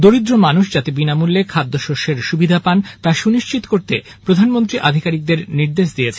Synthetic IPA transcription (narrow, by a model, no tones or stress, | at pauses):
d̪oɾid̪ɾomanuʃd͡ʑat̪ebinamulːekʰad̪ːoʃoʃeɾʃubid̪ʱapant̪aʃuniʃt͡ɕit̪o̥koɾt̪e | pɾod̪ʱanmont̪ɾiʔad̪ʱikaɾik̚d̪eɾniɾd̪eʃd̪iet͡ɕʰe